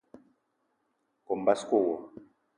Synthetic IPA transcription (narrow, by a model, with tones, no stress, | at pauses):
kɔ˨m̩˨ba˦sko˦˨wɔ˨